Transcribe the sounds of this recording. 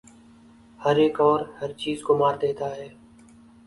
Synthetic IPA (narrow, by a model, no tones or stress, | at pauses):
həɾeːkɔːɾhəɾt͡ʃiːzkoːmaːɾd̪eːt̪aːɦɛː